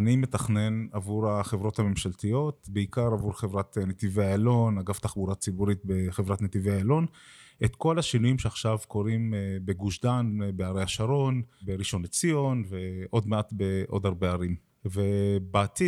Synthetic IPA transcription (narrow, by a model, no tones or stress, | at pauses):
anime̞t̪aχne̞navuʁaχevʁo̞thame̞mʃalt̪ijo̞t̪beikaʁavuɾχevʁatnet̪iveaelo̞naɡaft̪aχbuʁat͡sibuʁit̚beχevʁat̪net̪iveaelo̞net̪ko̞laʃinujimʃeaχʃavko̞ʁimbe̞ɡuʃdanbeaʁejaʃaʁo̞nbeʁiʃo̞net͡sijo̞nveʔo̞d̪meat̪beʔo̞̰daʁbe̞aʁim | vebaːt̪i